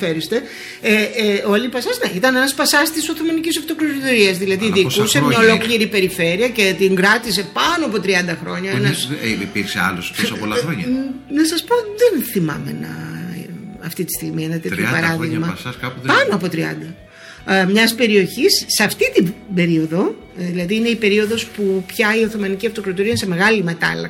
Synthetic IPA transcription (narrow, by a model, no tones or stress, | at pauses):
feɾist̪e | eo̞lipɐsɐzneit̪ɐnenɐspɐsɐst̪isoθomɐnicisoft̪o̞kloɾit̪oɾiɐzðilɐðiðikusemɲɐo̞lo̞kliɾipe̞ɾife̞ɾiɐce̞t̪iŋɡɾɐt̪is̬e̞pɐnoɐpo̞t̪ɾiɐnd̪ɐxɾo̞ɲɐenɐsḭpiɾksḛɐ̰lososɐolɐɾoɲɐnɐsɐspo̞ðenθimɐ̰me̞̰nɐ̰ | ɐft̪it̪i̥st̪iɣmienɐt̪eipɐɾɐðiɣmɐsɐskɐppɐno̞ɐpo̞t̪ɾiɐ̰nd̪ɐ | mɲɐspe̞ɾio̞çisːeɐft̪it̪ibe̞ɾio̞ðo̞ | ðilɐðiineipe̞ɾio̞ðo̞spupçɐioθo̞mɐniciɐft̪o̞kɾot̪uɾiɐse̞me̞ɣɐlimet̪ɐ̰lɐ̰k